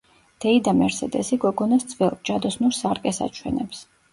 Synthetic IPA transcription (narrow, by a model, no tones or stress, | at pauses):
d̪̥ɛid̪amɛɾsɛd̪ɛsiɡɔɡɔnast̪sʰʼvɛlˠb̚d͡ʒad̪ɔsnuɾsaɾkʼɛsa̰t͡ʃʰwɛ̰nɛps